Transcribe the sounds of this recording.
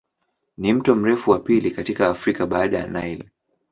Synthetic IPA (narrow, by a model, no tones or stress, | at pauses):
nim̩tɔm̩ɾɛfuwapilikatikaːfɾikaɓaːɗaja̰najl